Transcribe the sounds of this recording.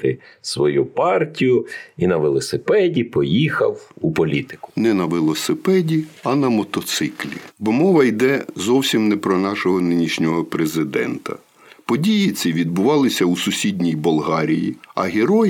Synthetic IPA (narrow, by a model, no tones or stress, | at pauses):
t̪ɪsʋɔjupɑrtʲijʊinɐʋɪlˠɔsɪpɛdʲipɔjixɐ̰wupɔlʲit̪ɪ̥kʊ̥nɛnɐʋɪlˠɔsɪpɛdʲiɐnɐmɔt̪ɔt̪sɪklʲḭbɔmɔʋɐjd̪ɛzɔwsʲimnɛpɾɔnɑʃɔɦɔnɪnʲiʃnʲɔɦɔpɾezɪd̪ɛ̰nt̪ɐ̰ | pɔdʲijit̪sʲiʋʲid̪̚bʊʋɑlˠɪsʲɐusʊsʲidʲnʲijbɔlˠɦɑɾʲijḭɐɦeɾɔj